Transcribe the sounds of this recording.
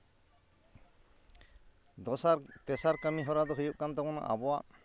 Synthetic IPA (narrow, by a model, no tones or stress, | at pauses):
t̪ɛsaɾkamiɦɔɾad̪ɔɦujuʔ̚kant̪akɔna̰ʔa̰bɔwa